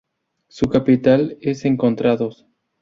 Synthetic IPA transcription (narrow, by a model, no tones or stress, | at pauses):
sukapit̪alese̞ŋko̞nt̪ɾaðos